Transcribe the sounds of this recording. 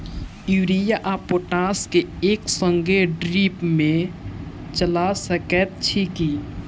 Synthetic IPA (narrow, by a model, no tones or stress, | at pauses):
juːɾijaʔapoːʈaːskeeːksə̃ŋɡeɖɾiːpmẽ | t͡ʃəlasəkɛt̪̚t͡ʃʰiki